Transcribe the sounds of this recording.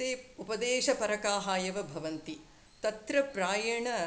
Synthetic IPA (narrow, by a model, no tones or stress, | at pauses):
eːupɐd̪eːʃɐpɐɾɐkaːɦaːjɐʋɐbʱɐʋɐnt̪i | t̪ɐt̪ɾɐpɾaːjɐɳɐ